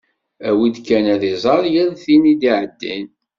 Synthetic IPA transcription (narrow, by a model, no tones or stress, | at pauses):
æwid̪kːænæðizˤɑljəðθinid̪iʕəd̪ːin